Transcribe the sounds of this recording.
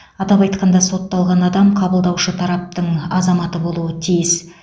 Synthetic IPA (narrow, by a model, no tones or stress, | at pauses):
ɑt̪ɑpɑjt̪qɑnd̪ɑso̞t̪ːɑlˠʁɑnɑd̪ɑmqʰɑbəlˠd̪ɑwʃət̪ʰɑɾɑp̚t̪əɴɑzɑmɑt̪əbo̞lˠuət̪ʰijɪs